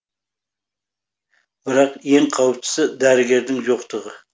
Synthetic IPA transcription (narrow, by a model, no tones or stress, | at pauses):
bɪɾɑqje̞ŋqʰɑwəp̚t͡ʃ̪ʰɪ̥sɪd̪æɾɪɡʲe̞ɾd̪ɪŋʒoqt̪əʁə